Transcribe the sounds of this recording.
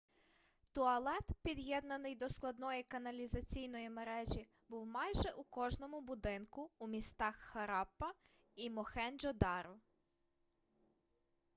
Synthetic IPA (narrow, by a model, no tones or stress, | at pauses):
t̪ɔɐlˠɛt̪pʲid̪jɛd̪nɐnɪjd̪ɔsklˠɐd̪nɔjikɐnɐlʲizɐt͡sʲijnɔjimeɾɛʒʲi | buwmɑjʒɛʔukɔʒnɔmʊbʊd̪ɪnkʊːmʲist̪ɑxːɐɾɑpːɐ | imɔxɛnd͡ʒɔd̪ɑɾɔ